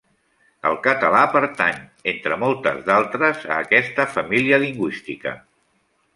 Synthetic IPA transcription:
əlˠkət̪əlapəɾt̪aɲent̪ɾəmɔlˠt̪ə̰zðalˠt̪ɾəzə̰ːkɛst̪əfəmiliəliŋɡwist̪ikə̰

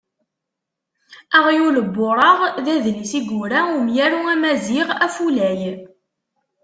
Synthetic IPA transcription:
æʁjuləbːoɾˤɑʁðæðlisiɡuɾæʊmjæɾuæmæziʁæfulæj

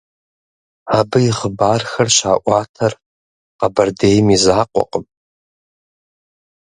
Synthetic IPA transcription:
abɨiχəbarxɐrʃaːʔʷatʰar | qabardejmizaːqʷʼɔ̰qʼəm

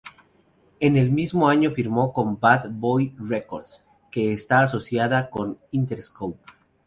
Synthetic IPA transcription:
e̞ne̞lmizmo̞aɲo̞fiɾmo̞ko̞mbaðbojreko̞ɾd̪s | ke̞ːst̪aːso̞sjaðako̞nint̪eɾskowp̚

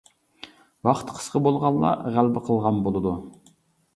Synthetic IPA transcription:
wɑχt̪qʰə̥sqəbolˠʁɑlˠːɑ̰ʁælbɪqʰəlˠʁɑnbolˠɨd̪u

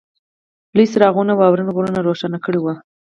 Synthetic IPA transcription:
plisɾɑɣunawɑwɾənɣoɾənaɾoʃanakəɽewa

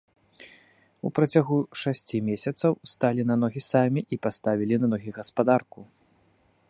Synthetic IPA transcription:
ṵpɾɐt͡sʲaɣuʂasʲt͡sʲimʲesʲɐt̪sɐwst̪alʲinanɔɣʲisamʲiʔipast̪avʲilʲinɐnɔɣʲiɣɐspad̪arku

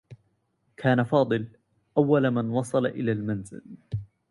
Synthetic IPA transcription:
kʰaːnafɑːd̪ˤɨl | ʔawːalmanwɑsˤɑlaʔɪlaːlmanzɪ̰l

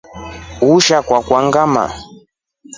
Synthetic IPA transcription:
uʃakwakwaŋɡama̰

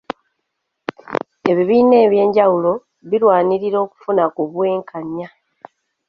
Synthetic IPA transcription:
e̞βiβiːne̞ːβje̞ːɲɟawulo̞ | βilwaːniɾiɾo̞ːku̥funakuβwe̞ːŋkaɲja

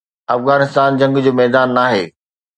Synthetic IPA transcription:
ɐfɣaːnɪst̪aːnd͡ʑɐ̃ŋɡd͡ʑoːmɛːd̪aːnːaːɦḛː

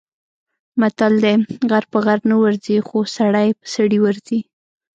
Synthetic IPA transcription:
mat̪ald̪eɣaɾpəɣaɾnawaɾzixosaɽajpə̥saɽiwaɾzi

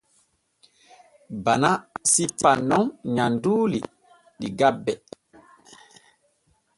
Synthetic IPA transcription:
banasipanɔŋɲanduːlḭ | ɗḭɡabːɛ

